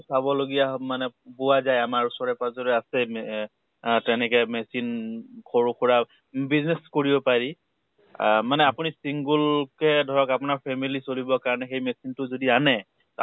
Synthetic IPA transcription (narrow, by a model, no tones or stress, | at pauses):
sabɔloɡijamanɛbʊwazajamaɹusɔɹɛpazɔɹɛasɛm | tɛnɛkɛmɛsinkoɹukʰuɹa | bizneskoɹibɔpaɹi | manɛapunisiŋɡulkɛdʱɔɹɔkapʊnaɹpʰɛmilisolibɔkaɹɔnɛxejmesintʊzodianɛ